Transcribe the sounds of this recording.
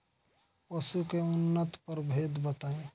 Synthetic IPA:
pəsukeʊnːət̪pəɾbʱeːd̪bət̪aːẽ

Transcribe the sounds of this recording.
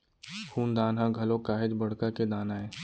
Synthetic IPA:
pʰuːnd̪aːnɦãɡʱɐlõkaːɦɪd͡ʒbɐɽ̤kaked̪aːnaɦɛ̃ː

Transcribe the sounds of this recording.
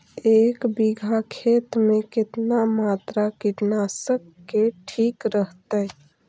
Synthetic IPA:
ekbiɡʱakʰet̪mekɪt̪namat̪ɾakiʈnasəkːeʈʰikɾəɦt̪ə

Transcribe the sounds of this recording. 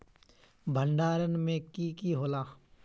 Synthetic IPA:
bʱəɳɖaːɾənmẽkiːkiɦoːlaː

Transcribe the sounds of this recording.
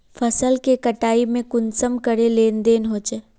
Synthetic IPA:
fʰɐsəlkekɐʈaːimẽkʊnsəmkəɾeleːnd̪eːnɦoːt͡ʃeː

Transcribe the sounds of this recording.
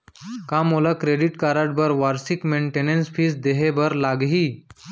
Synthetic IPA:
kamolakɾeɽiʈkaɾaʈ̚bəɾʋaɾsikmeɳʈenensfiːsd̪eɦebəɾlaɡɦiː

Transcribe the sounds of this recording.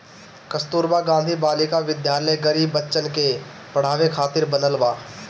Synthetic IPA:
kəst̪uːɾbaːɡãːnd̪ʱiːbaːlɪkaʋɪd̪jaːɾləjɡəɾiːbːətːʃənke | pəɽ̤aːʋekʰaːt̪ɪɾbənəlʋaː

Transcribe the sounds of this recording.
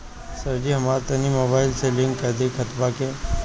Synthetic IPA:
səɾd͡ʒiɦɐmaːɾt̪ɐnimoːbaːɪlselɪ̃ŋɡkəd̪ikʰət̪bake

